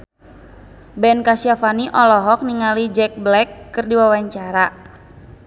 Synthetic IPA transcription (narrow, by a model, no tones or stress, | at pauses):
bɛnkasiafaniʔɔlɔɦɔk̚niŋalid͡ʒɛk̚blɛkːɨrdiwawaɲt͡ʃaɾa